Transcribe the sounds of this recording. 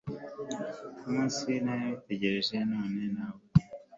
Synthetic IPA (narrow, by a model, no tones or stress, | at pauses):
umũːnsinajaite̞ɟe̞ɾe̞ʒe̞noːne̞nawo